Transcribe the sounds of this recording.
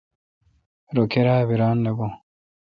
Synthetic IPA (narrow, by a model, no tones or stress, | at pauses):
ɾokeɾaːβiɾaːnːebo